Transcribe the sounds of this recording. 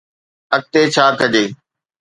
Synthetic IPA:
ək̚t̪eːt͡ɕʰaːkəd͡ʑeː

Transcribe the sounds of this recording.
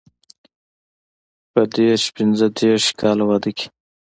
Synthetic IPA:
pəd̪eɾʃpɪnzəd̪eɾʃkʰɑːlawad̪əki̥

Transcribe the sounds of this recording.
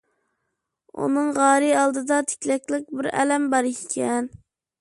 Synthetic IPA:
ṵnɨŋʁɑːɾɨɑlˠd̪ɨd̪ɑt̪ʰɪ̥kʲlɛkʲlɪk̚ʲbɪɾɛ̰lɛmbɑɾiikʲʰɛn

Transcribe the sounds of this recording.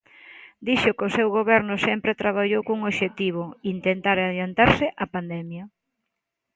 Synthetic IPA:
d̪iʃʊkɪosewɣoβɛɾnʊsɛmpɾɪt̪ɾaβaʎowkoŋoʃet̪iβ̞oint̪ent̪aɾaðjant̪aɾsɪʔapand̪ɛmjɐ

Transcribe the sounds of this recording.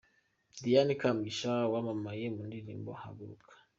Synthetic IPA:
dijanikamɡiʃawamamajimundilimboha̰buukʰḁ

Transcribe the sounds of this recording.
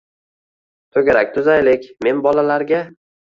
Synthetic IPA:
t̪ʰoɡʲaɾak̚ʲt̪ʰʊzajlɪkʲme̞nbɒlalaɾɡʲa

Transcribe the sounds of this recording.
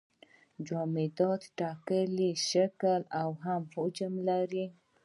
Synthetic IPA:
d͡ʒɑmed̪ɑt̪ʈɑkəliʃakəlawɦamhod͡ʒəmlaɾi

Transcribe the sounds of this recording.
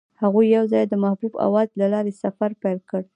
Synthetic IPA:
haɣujːawzɑjd̪əmahbuba̰wɑzlalɑɾesafaɾpajlkəɽ

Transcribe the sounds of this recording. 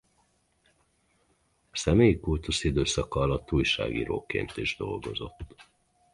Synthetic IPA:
ɒsɛmeːjikult̪usid̪øːsɒkɒɒlɒt̪ːuːjʃa̰ːɡḭːɾo̰ːkḛːnt̪iʒd̪o̞lɡo̞zo̞t̪ː

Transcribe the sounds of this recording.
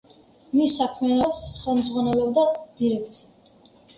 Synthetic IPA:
misːakʰmɛanɔsχɛlˠmd̪zʁwanɛlɔbd̪ad̪̥iɾɛk̚ʰt̪sʰia

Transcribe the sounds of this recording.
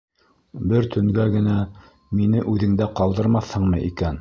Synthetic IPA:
bɘɾt̪ʰɵ̆ŋɡæɡɘ̆næ | minɘʔʉðɘ̆ŋd̪æqɑlˠd̪ɤ̆ɾmɑθhɤɴmɤʔikæn

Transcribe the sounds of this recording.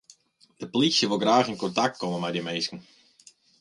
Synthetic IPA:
d̥əpolisjəʋolˠɡraːxɪnkɔntak̚t̚komənmɛjdəmeːskən̩

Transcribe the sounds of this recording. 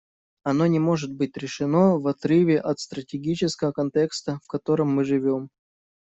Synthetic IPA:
ɐno̞nʲɪmo̞ʐɨt̪̚bɨtʲɾʲɪʂɨno̞vɐt̪ɾɨvʲɪʔɐt̪st̪ɾətʲɪɡʲit͡ɕɪskəvəkɐnt̪ʲekst̪əfkɐt̪o̞ɾɨmːɨʐɨvʲo̞m

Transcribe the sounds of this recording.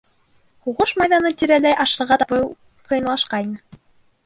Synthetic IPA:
huʁɤʃmɑjðɑnɤt̪ʲiɾælæjʔɑʃɤ̆ɾʁɑt̪ɑpɤ | qɤ̆jɤ̆nlˠɑʃqɑjnɤ

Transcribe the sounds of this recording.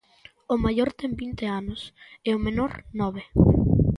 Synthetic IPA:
ʊmajoɾt̪ɛmbint̪ɪanʊseʊmenoɾnɔβe

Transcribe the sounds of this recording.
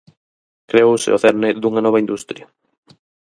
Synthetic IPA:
kɾeosɪ̰oθeɾneðuŋɐnɔβɐind̪ust̪ɾjɐ

